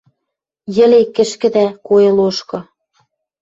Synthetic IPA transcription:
jɘ̆lekɘ̆ʃkɘ̆d̪ækojɤ̆loʃkɤ̆

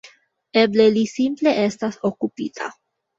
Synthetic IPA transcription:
e̞ble̞lisimple̞ʔe̞staso̞kupitʰa̰

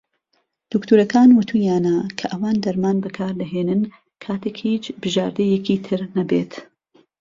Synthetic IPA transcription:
d̪̥ukt̪ʰuːɾɐkaːnwʊt̪ʰujaːnɐkʰɐʔɐwaːnd̪ɐɾmaːnbɐkʰaːɾd̪ɐɦeːnɨn | kʰaːt̪ʰekhiːt͡ʃbɨʒaːɾd̪ɐjɛcit̪ʰɨɾnɐbḛːt̪

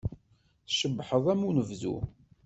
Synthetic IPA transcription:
θʃəbːħəðˤæmunəvðṵ

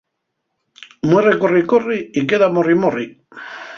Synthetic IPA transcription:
mwerekorikoriikeðamorimori

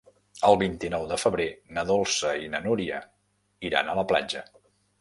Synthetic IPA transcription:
əlˠβint̪inɔwðəfəβɾenəðolˠsəinənuɾiə | iɾa̰nələpla̰d͡ʒə

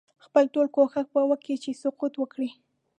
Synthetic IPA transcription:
xpəlʈolkoxax̚pəwaket͡ʃesʊqut̪wəkɽi

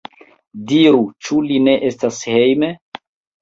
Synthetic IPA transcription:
diɾut͡ʃuline̞ʔestashe̞jme

